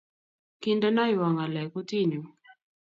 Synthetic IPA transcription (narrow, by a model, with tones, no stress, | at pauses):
ki˦ndɔ˦na˦jwa˨ŋa˨lɛ˨ku˦ti˦ɲu˨